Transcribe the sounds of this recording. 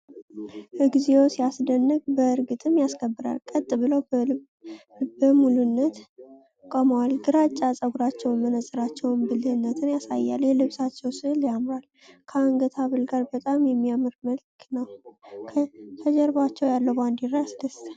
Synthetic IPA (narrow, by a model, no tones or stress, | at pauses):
ʔɨɡzewosijasd̪ənːɨɡbəɨɾɡɨt̪ʼʰɨmjaskʰəbːɨɾa̰lkʼət̪ʼːɨbɨləw | bəmulɨnːət̪ | kʼəməwalɡɨɾat͡ʃʼːasʼəɡuɾat͡ʃːɛwnmənəsʼɨɾat͡ʃːɛwnbɨlɨhɨnːət̪ʰɨnjasa̰jːa̰ljɛlɨβsat͡ʃːɛwsɨhljamɾal | kʰəaŋɡət̪ʰaβɨlɡaɾbət̪ʼamjɛmːiamɨɾməlkʰnəwʰ | kʰəd͡ʒɛɾbat͡ʃːɛwjalːəwband̪iɾːajasd̪əst̪ʰə